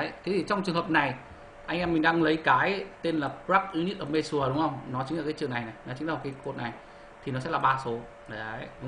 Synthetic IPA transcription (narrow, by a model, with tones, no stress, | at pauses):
t̪ʰe˨˦t̪ʰi˨˩t͡ɕɔ˧wŋ͡mt͡ɕɨ˨˩əŋɦə˨˩p̚na˨˩j | ʔa˧jŋ̟ʔɛ˧mːï˨˩ŋ̟ɗaː˧ŋlə˨˦jkaː˨˦jt̪e˧nlaː˨˩pɹaː˦˥k̚ʔi˧˦ni˦˥t̚ʔəː˧˩me˧su˧˩əɗʊ˨˦ŋ͡mhə˧wŋ͡mnɔ˨˦t͡ɕï˨˦ŋlaː˨˩kaː˨˦jt͡ɕɨ˨˩əna˨˩jna˨˩jnɔ˨˦t͡ɕï˨˦ŋ̟la˨˩˨kʰːaː˨˦ko˨˩t̚na˨˩j | t̪ʰi˨˩nɔ˨˦sɛ̰˧˥laː˨˩ɓaː˧so˨˦